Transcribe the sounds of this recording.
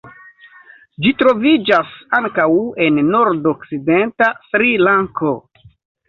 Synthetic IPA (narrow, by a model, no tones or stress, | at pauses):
d͡ʒitɾo̞vid͡ʒasaŋkawe̞nːo̞ɾdokside̞ntasɾilaŋkʰo̞